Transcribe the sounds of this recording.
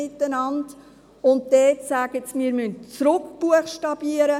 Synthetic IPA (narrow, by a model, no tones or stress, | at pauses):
ɪtːənɑnd | ʊnt̚dɛːtsæːɡ̥ət͡smɪəɾmʏntt͡sɾʊkb̥uəχʃtɑb̥iəɾə